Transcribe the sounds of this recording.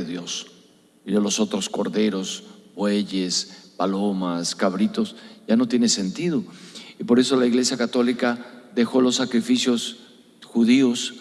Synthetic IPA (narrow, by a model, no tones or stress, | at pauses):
eðjo̞s | ilolo̞so̞t̪ɾo̞sko̞ɾðe̞ɾo̞sbwe̞ʝe̞spalo̞maskaβɾit̪o̞sʝano̞t̪je̞nese̞nt̪iðo̞ipo̞ɾe̞so̞laiɣle̞sjakat̪o̞likaðe̞xo̞lo̞sːakɾifisjos | xuðio̞s